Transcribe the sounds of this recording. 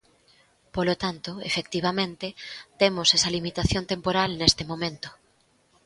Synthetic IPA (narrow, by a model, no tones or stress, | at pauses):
polot̪ant̪oḛfek̚t̪iβ̞amẽnt̪et̪emosesɐlimit̪aθjont̪empoɾalnest̪emõmẽnt̪o̥